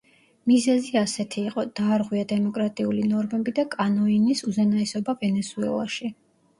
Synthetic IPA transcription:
mizɛziasɛt̪ʰiːqʼɔd̪aːɾʁwiad̪ɛmɔkʼɾat̪ʼiulinɔɾmɛbid̪akʼanɔinisuzɛnaɛsɔbavɛnɛsuɛ̰lˠa̰ʃi

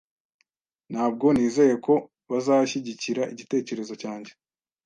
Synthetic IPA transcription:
nhaːb̚ɡo̞niːze̞je̞ko̞ | βazaʃiɟiciɾaʔiɟite̞ːce̞ɾe̞zo̞caːɲɟe̞

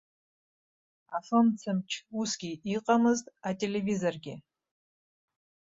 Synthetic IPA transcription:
afɨmt͡sʰɨmt͡ʃʰusɡʲiiqʼamɨztʼatʼe̞le̞vizorɡʲɪ

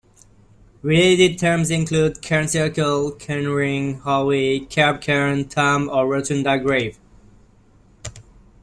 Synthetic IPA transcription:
ɹileɪtɪd̚tʰɜ˞mzɪ̃nkʰl̥uːd̚kʰɛɹ̃nsɪɹkəlkʰɛnɹɪ̃ŋhɔwikʰɛɹb̚kʰɛɹ̃ntʰaməɹotə̃ndaɡɹeɪv̥

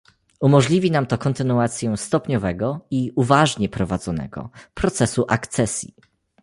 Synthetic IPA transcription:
umɔʐlʲivʲinamt̪ɔkɔnt̪ɘnuat̪sʲjɛst̪ɔpɲɔvɛɡɔiuvaʐɲɛpɾɔvad̪zɔnɛ̰ɡɔ̰pɾɔt̪sɛsuʔakt̪sɛsʲjḭ

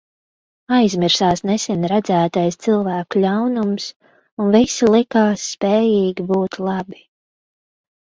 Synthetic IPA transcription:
ajzmiɾsaːsnɛsɛnɾad̪zæːt̪ajst̪silˠvæːkulʲawnums | unvisilˠikaːsːpɛːjiːɡʲibuːt̪lˠɑbi̥

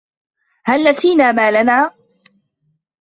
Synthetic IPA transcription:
halːasiːnaːmaːlanaː

